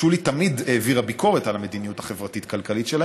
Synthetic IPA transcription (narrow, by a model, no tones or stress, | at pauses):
ulit̪amid̪eːviʁhabikʰo̞ʁetalame̞d̪inijuthaχe̞vʁatitkalkalit̪ʃela